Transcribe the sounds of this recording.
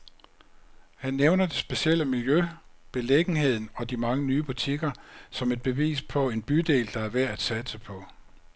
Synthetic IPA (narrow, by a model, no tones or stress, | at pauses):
hænːeʊnɐd̥e̝sb̥e̝ɕiel̰əmiljøb̥e̝leɡ̥n̩ɦe̝ð̞̰ˠn̩ɒ̽d̥imɑ̈ŋənyːb̥ut͡sʰiɡ̥ɐsɒ̽me̝d̥̚b̥e̝ʋḭːspʰɒ̽e̝nb̥yd̥e̝̰ːld̥ɑ̈æɐʋæɐ̰æd̥sæd̥səpʰɒ̽